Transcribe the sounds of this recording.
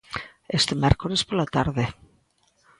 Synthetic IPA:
est̪emeɾkoɾespolat̪aɾðe

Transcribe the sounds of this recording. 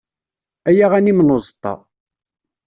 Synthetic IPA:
æjaʁænimnozˤt̪ˤːɑ̰

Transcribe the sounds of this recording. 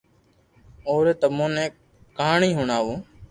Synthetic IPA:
oːɾeːt̪əmõːnẽː | kaːɳĩːɦʊɳaːʋõː

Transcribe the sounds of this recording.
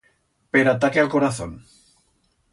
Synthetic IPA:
peɾat̪akealkoɾaθo̰n

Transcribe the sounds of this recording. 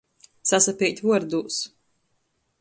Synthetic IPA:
sasapʲit̪ʲvuɔɾd̪uːs

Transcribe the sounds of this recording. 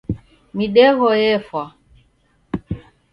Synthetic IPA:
miɗɛɣɔjɛfwa

